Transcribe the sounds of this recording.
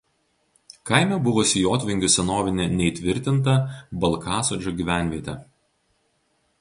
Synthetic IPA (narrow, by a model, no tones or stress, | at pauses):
kɐˑɪmʲɛbʊʋosʲɪjoːt̪ʲʋʲɪŋʲɡʲʊsʲɛnoːʋʲɪnʲenʲɛit̪ʲʋʲɪɾʲt̪ʲɪnt̪̬ɐbɐlˠˑkɑːsoːd͡ʒʲoːɡʲiʋʲæˑnʲʋʲiɛt̪ʲɛ